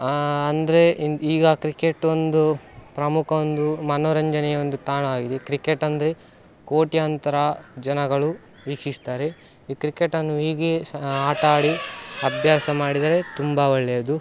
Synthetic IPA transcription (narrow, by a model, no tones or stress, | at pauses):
ɐnd̪ɐɾe̞iːɡɐkɾike̞ʈːond̪upɾɐmukʰɐond̪umɐnoːɾɐɲd͡ʒɐnɛjɐond̪ut̪aːɳɐaːɡid̪ekɾikeʈːɐnd̪ɐɾe̞ | ko̞ːʈijant̪ɐɾɐd͡ʒɐnɐɡɐɭu | ʋiːkʂist̪aːɾe | iːkɾikeʈːɐnːuiːɡe̞aːʈaːɽiɐbʱjaːsɐmaːɽid̪aːɾe̞t̪umbɐoɭːɐjɐd̪u